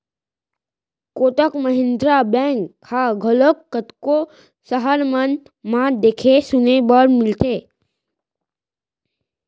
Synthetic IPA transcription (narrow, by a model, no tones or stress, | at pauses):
koːt̪əkməɦɪ̃nd̪ɾabɛ̃ːŋkhaɡʱəlokːət̪ko | səɦəɾmən | mãd̪eːkʰesʊnebəɾmɪlt̪eː